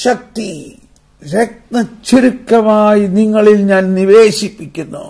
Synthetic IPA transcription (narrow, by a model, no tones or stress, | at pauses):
ɕɐk̚t̪i | ɾek̚nɐt͡ɕːiɾukːɐmaːjiniŋːɐɭilɲaːnniʋe̞ːɕipːikʲːunːu